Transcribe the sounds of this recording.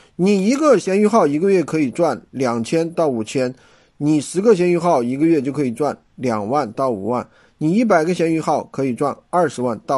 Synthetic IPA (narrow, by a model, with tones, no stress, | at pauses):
ni˨˩i˧˥ɡə˧ɕjɛ˧˥ny˧˥xɑ˥˩ʊi˧˥ɡə˧ɥɛ˥˩kʰɤ˧˥i˨˩ʈ͡ʂwa˥˩nljɑ˨˩ŋt͡ɕʰjɛ˥nt̪ɑ˥˩ʊu˨˩t͡ɕʰjɛ˥n | ni˨˩ʂɻ̩˧˥ɡə˥˧ɕ̬jɛ˧˥ny˧˥xɑ˥˩ʊi˧˥ɡə˧ɥɛ˥˧t͡ɕjʊkʰɤ˧˥i˨˩ʈ͡ʂwa˥˩n | ljɑ˨˩ŋwa˥˧nt̪ɑ˥˩ʊṵ˨˩wa˥˩n | ni˨˩i˥˩p̬a˨˩ɪɡə˦ɕjɛ˧˥ny˧˥xɑ˥˩ʊkʰɤ˧˥i˨˩ʈ͡ʂwa˥˧nɐ˥˩ʂɻ̩˧˥wa˥˧nt̪ɑ˥˩